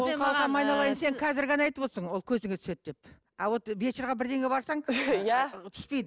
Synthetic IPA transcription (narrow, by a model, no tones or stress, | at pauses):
wolˠqʰɑlˠqɑmɑjnɑlˠɑjənse̞ŋqʰɑzɪɾɡɑnɑɑjt̪əpo̞t̪əsəɴwo̞lˠkʲʰɵzɪŋɡet̪ʰʏ̥se̞t̪̚d̪e̞p̚ | ɑwot̪bet͡ʃeɾʁɑbɪɾd̪e̞ŋɡʲe̞bɑɾsɑɴjæt̪ʰʏ̥spe̞jd̪ə